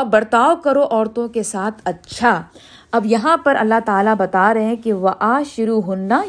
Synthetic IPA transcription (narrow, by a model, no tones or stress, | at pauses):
bɐɾt̪aːʋkɐɾoʔɔːɾt̪õkesaːt̪ʰɐtːʃʰa | ɐbjɐɦãpɐɾʔɐ̰lːaɦt̪aːlabɐt̪aːɾɐɦẽkeʋɐʔaːʃʊɾuːɦʊnːa